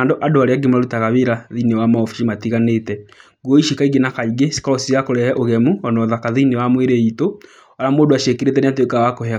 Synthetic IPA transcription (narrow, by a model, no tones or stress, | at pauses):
andoʔadoaɾeaɡemaɾutaɣaβeɾaðinewamaɔfi̥ʃimatiɣanetɛ | ɡwoiʃikaiɡenakaiɡesi̥kɔɾɔsiakoɾɛhɛʔoɣɛmuɔnɔðakaðinewamweɾeito | aɾamoːdoaʃekeɾetɛneatwekawakohea